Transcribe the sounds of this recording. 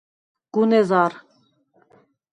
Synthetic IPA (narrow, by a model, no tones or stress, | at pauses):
ɡ̥unɛzaɾ